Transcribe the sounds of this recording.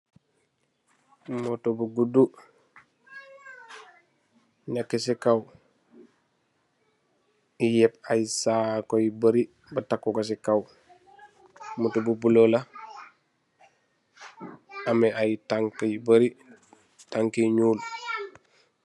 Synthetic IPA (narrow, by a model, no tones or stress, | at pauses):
motobuɡudu | ɲakːisikaw | ijɛpajsaːkojibaɾi | batakːukos̬ikaw | motobubulola | ameʔajtaŋkjibɐɾi | taŋkiɲuːl